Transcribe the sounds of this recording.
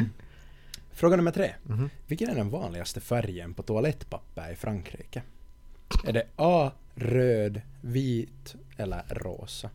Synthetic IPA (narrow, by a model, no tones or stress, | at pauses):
fɾoːɡanɵmːəʈ̪ʰɾeːvɪlkːənæɖɛnvɑːnlɪɡast̪əfæɾjənpʰɔt̪ʰʊalɛt̪ːpʰapːəɾɪfɾʔaŋkʰɾḭːkə | æɖɛʔɑː | ɾøːd̪ | viːt̪ | ɛlːə̰ɾɾo̰ːsa